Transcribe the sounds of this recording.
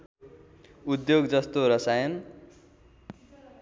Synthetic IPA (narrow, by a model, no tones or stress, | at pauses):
ud̪joɡd͡zʌst̪oɾʌsajʌn